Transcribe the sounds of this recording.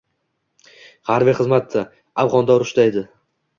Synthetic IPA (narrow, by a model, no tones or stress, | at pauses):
haɾbijχɨzmat̪ʰːa | avʁɒnd̪aʊɾʊʃt̪aed̪ɪ